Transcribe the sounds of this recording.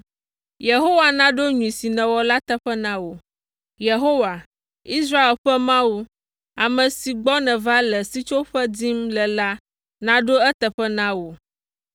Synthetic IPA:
je˨ɦo˦wa˨nã˦ɖo˦ɲũ˨i˨si˨nɛ̃˨wɔ˨la˦t̪ɛ˦ɸɛ˦nã˦wo˨ | je˨ɦo˦wa˨ | i˦sɾa˦e˨lɸɛ˦mã˦wu˦ | a˨mɛ̃˨si˨ɡ͡bɔ˦nɛ̃˨va˦lɛ˨si˦t͡ʃo˦ɸɛ˦d͡zi˦mlɛ˨la˦ | nã˦ɖo˦ɛ˦t̪ɛ˨ɸɛ˦nã˦wo˨

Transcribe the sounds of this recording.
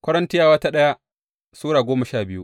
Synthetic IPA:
kʷɐ˦ɾɐ˦ntɪ˦jaː˦wɐ˦ta˦ɗɐ˦ja˦ | suː˦ɽaː˨ɡʷoː˦mɐ˨ʃaː˦˨bɪ˦jṵ˦ʔ

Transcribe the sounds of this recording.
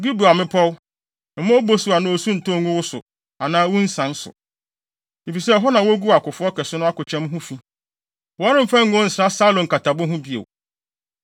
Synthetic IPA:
bi˦bu˨a˨mɪ̃˦pʰɔ˦w̩˦˨˦ | mã˦o˦bo˦su˨a˨nʊ̃˦o˨su˦n̩˨tɔ̃˦˨˦ŋũ˦wʊ˦sʊ̰˨ | a˨nãː˦wu˦n̩˦sã˦n˦sʊ̰˨ | i˨fi˨sɛ˦ɦɔ˦nã˨wo˦ɡu˦a˨kʊ˨fʊ˦ɔ˦kʰɛ˨sʊ˦nʊ̃˦a˦kʊ˨t͡ɕʰɛ̃˦mɦʊ̃˦fi˦ | wɔ˨a˦ɾɪ̃˦m̩˦fã˦ŋ̩˦ʊ̃˦n̩˨sɾa˦sa˦lõ˨ŋ˨ka˨tʰa˨bʊ̃˦ɦʊ̃˦bi˦˨ḛ˨w

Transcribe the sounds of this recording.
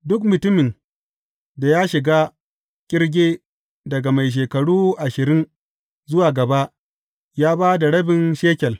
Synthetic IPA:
dʊ˦kmʊ˨tʊ˦mɪ˨ŋ | da˨jaː˦ʃɪ˨ɡaː˦ | kʲʼɪ˦ɽɡʲeː˦ | dɐ˨ɡa˨ma˨jʃ̬eː˨kɐ˨ɽuː˦ʔa˨ʃɪ˨ɾɪ˦n | zʊ˦waː˨ɡɐ˨ba˦ʔ | jaː˦baː˦da˨ɽɐ˦bɪ˨nʃeː˦kʲɛ˨l

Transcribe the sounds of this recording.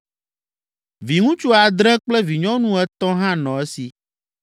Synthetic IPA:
vi˨ŋũ˦t͡ʃu˦a˨d̪ɾɛ̃˦k͡plɛ˦vi˨ɲɔ̃˦nũ˦ɛ˦t̪ɔ̃˦ɦã˦nɔ̃˨ɛ˦si˨

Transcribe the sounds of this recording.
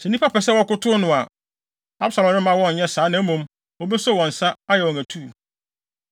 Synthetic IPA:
sɛ˨n˦ĩ˦pa˦pɛ˨s̬ɛ˦wɔ˦kʊ˦tʰʊ˦nʊ̃˨a˨ | a˦bsa˨lɔ̃˨m˦nɪ̃˦mã˦wɔ̃˦n˨ɲɛ˦saː˨˦nã˦mũ˦m | ɔ˦be˦sɔ˦˨wɔ̃˨n̩˨sa˦a˦jɛ˨ɔ̃˨næ˨tʰu˦˨

